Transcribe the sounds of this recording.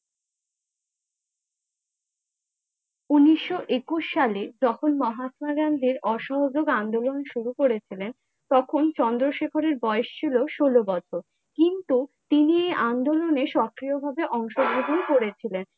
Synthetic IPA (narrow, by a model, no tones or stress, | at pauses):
uniʃːoʔekuʃːaled͡ʑɔkʰonmɔɦasmaɡand̪ʱiɾɔʃɔɦod͡ʑoɡand̪olonʃuɾukoɾet͡ɕʰilen | t̪ɔkʰont͡ɕɔnd̪ɾoʃekʰoɾeɾbɔeeʃt͡ɕʰiloʃolobɔt͡ɕʰoɾ | kint̪ut̪iniejʔand̪oloneʃɔkːɾiobʱabeʔɔŋʃoɡʱɾoɦonkoɾet͡ɕʰilen